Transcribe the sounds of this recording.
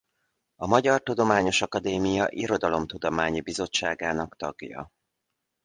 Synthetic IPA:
ɒmɒɟɒrt̪ud̪o̞maːɲo̞ʃɒkɒd̪eːmijɒʔiɾo̞d̪ɒlo̞mt̪ud̪o̞maːɲibizo̞t͡ʃːaːɡaːnɒkt̪ɒɡjɒ̰

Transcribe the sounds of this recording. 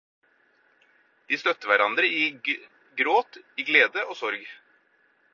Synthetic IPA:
d̪̥iːst̪œt̪əʋæɾɑnd̪ɾəiː | ɡɾoːt̪iːɡleːd̪əʔoːsɔɾɡ

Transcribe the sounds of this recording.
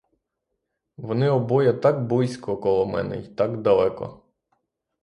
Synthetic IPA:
ʋɔnɪɔbɔjɐt̪ɑkbɔjsʲkɔkɔlˠɔmɛ̰nɛ̰it̪ɑkd̪ɐlˠɛkɔ̰

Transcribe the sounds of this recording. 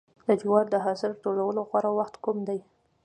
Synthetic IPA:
d̪əd͡ʒiwɑɾd̪əɦɑsəɾʈoɽawəloɣwaɾawaxt̪kumd̪aj

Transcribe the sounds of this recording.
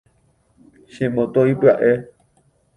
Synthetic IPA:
ʃẽmõt̪oipɨaʔe

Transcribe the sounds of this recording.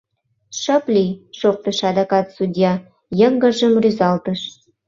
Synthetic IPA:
ʃəplʲiʃok̚t̪ə̆ʃɑd̪ɑkɑt̪sudʲjɑ | jəŋɡə̆ʒə̆mryzɑlt̪əʃ

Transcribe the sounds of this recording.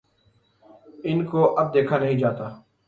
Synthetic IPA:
ɪnkoʔɐb̚d̪eːkʰanɐɦĩd͡ʒaːt̪aː

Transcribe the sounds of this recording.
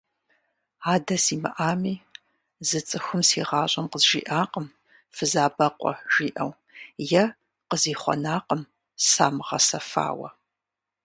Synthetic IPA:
aːdɐsiːmɐ̰ʔaːmiː | zɨt͡sʼɨxʷʊmsḭːʁɑːɕʼɐmqəzʒḭːʔaːqəm | fɨzaːbɐqʷɔ̰ʒiːʔɐw | jɛ | qəziːχʷɔ̰naːqəm | saːmʁɐsɐfa̰ːwɐ̰

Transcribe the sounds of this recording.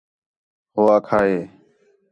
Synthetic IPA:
ɦoːaːkʰaːɦeː

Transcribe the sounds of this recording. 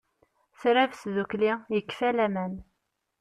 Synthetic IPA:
θɾavsðuklijəkːfælæmæn

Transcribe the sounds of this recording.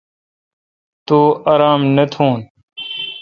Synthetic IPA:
t̪uːaːɾaːmnət̪ʰũːn

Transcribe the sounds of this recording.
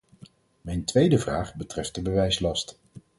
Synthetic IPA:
mɛjntʋejdəvraːχbətrɛft̚dəbəʋɛjslɑst

